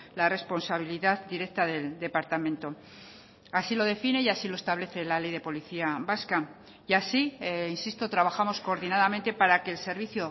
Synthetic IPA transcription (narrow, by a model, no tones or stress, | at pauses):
lare̞spo̞nsaβ̞iliðaðd̪iɾe̞k̚t̪aðe̞ld̪e̞paɾt̪amẽnt̪o̞ | asilo̞ð̞e̞fine̞jasilo̞e̞st̪aβle̞θe̞lale̞jðe̞po̞liθiaβaska | iasiinsist̪o̞t̪ɾaβaxamo̞sko̞ːɾðinaðamẽ̞nt̪e̞paɾake̞ːlse̞ɾβiθjo